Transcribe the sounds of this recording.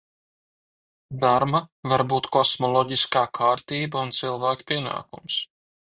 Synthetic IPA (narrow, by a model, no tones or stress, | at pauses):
d̪aɾmavaɾbuːt̪kɔsmɔlˠɔɟiskaːkʰaːɾt̪iːbaunt̪silˠvæːkpʲiɛna̰ːkṵms